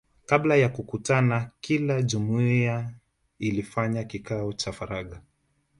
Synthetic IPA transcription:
kablajakukutanakilaʄumuia | ilifaɲakikaɔt͡ʃafaɾaɠa

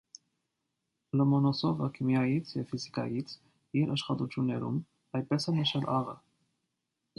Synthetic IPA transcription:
lɔmɔnɔsɔvəkʰimjɑjit͡sʰjɛvfizikɑ̰jit͡sʰ | iɾʔɑʃχɑt̪ut͡sʰjunːɛɾṵm | ɑjd̪̚pɛsɛnəʃɑlʔɑʁə

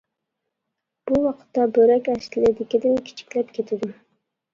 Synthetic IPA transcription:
b̥uwɑqʰɨ̥t̪ːɑbɵɾækʲæʃɪlɪd̪ɪkʲɪd̪ɪnkʲʰɪ̥t͡ʃʰɪ̥kʲlæp̚kʲʰet̪ʰɪd̪ɪm

